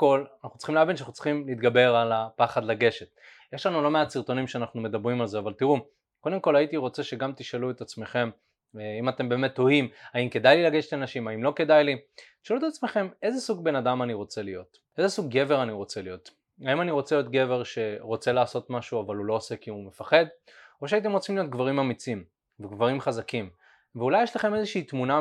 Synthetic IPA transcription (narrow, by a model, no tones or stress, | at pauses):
ko̞lanaχnu̥tt͡si̥χimleavenʃanaχnut͡si̥χimliːt̪ɡabe̞ʁalapaχad̪laɡe̞ʃet | je̞ʃlanulo̞meat͡siʁt̪o̞nimʃeanaχnume̞d̪abʁimalzeavalt̪iʁu | ko̞d̪e̞mko̞lhait̪iʁo̞t͡se̞ʃe̞ɡamt̪iʃaluet̪at͡sme̞χe̞m | imat̪e̞mbe̞ːme̞t̪ːo̞imaimke̞dajlilaɡeʃe̥tanaʃimaimlo̞ke̞d̪ajlit̪i̥ʃaluet̪at͡sme̞χe̞me̞zesuɡ̚be̞nad̪amaniʁo̞t͡se̞lijo̞t̪ | ezesuɡːe̞ve̞ʁaniʁo̞t͡selijo̞t | aimaniʁo̞t͡selijo̞t̪ɡe̞ve̞ʁʃe̞ʁo̞t͡se̞laːso̞tmaʃuavalulo̞ːse̞kiume̞faχe̞d̪ | o̞ʃ̬eait̬emʁo̞t͡simlijo̞t̪̚ɡvaʁimamit͡sim | veɡvaʁimχazakim | veulajeʃlaχe̞me̞zeʃiːt̪muna